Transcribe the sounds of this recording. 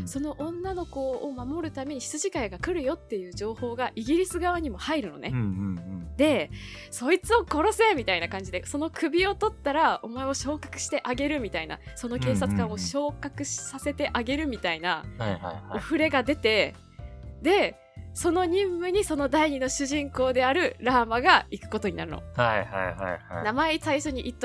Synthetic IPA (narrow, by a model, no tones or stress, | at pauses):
so̞no̞ʔõ̞nːano̞ko̞ːmamo̞ɾɯ̟t̪ame̞ɲ̟iɕi̥t͡sɨʑikaiɡakɯ̟ɾɯ̟jo̞t̪ːe̞jɯ̟ːʑo̞ːho̞ːɡaʔiɡʲiɾʲisɨɡaβaɲ̟imo̞haiɾɯ̟no̞̰ne | d̪e̞so̞it͡sɨo̞ko̞ɾo̞se̞mʲit̪ainakãɲ̟d͡ʑid̪eso̞no̞kɯ̟bʲio̞t̪o̞t̪ːaɾao̞mae̞o̞ɕo̞ːkḁkɯ̟̥ɕi̥t̪e̞ʔaɡe̞ɾɯ̟mʲit̪aina̰so̞no̞ke̞ːsat͡sɨ̥kãɰ̃o̞ɕo̞ːkakɯ̟ɕsase̞t̪e̞ʔaɡe̞ɾɯ̟mʲit̪ainahajhaaoɸɯ̟ɾe̞ɡad̪e̞t̪e̞ | d̪e̞ | so̞no̞ɲ̟ĩmːɯ̟ɲ̟iso̞no̞d̪aiɲ̟ino̞ɕɨʑĩŋko̞ːd̪e̞aɾɯ̟ɾaːmaɡaikɯ̟̥ko̞t̪o̞ɲinaɾɯ̟no̞̰hajhajha̰jhanamaesaiɕo̞ɲ̟iʔit̪ːo